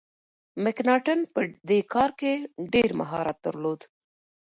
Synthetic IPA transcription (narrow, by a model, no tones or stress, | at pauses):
mɪknɑʈənpəd̪ekɑɾkeɖeɾma̰ɦɑ̰ɾat̪̚d̪ə̰ɾlod̪